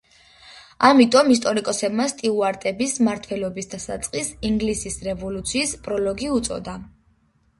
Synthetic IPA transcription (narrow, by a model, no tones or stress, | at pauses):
amit̪ʼɔmist̪ʼɔɾikʼɔsɛbmast̪ʼiuaɾt̪ʼɛbismaɾt̪ʰwɛlɔbisd̪asa̰t̪sʼqʼisiŋɡlisisɾɛvɔlut̪sʰiːspʼɾɔlɔɡiut̪sʼɔ̰d̪a